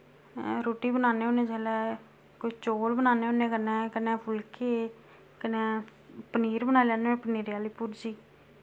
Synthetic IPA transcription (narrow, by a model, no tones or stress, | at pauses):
ɾoːʈiːbənaːneːoːnẽːd͡ʒɛːlɛː | kʊt͡ʃt͡ʃoːlbənaːneːɦoːnẽːkənɛ̃ːkənɛːpʰʊlkeː | kəneːpəniːɾbənaːlaːneẽːpəniːɾjaːliːpuɾd͡ʒiː